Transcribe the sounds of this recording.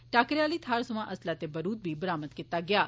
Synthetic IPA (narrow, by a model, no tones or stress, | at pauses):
ʈaːkɾaːliːt̪ʰaːɾsəmãʔɐslaːt̪ebəɾuːt̪̚bʱiːbəɾaːməd̪kɪt̪aɡɪjaː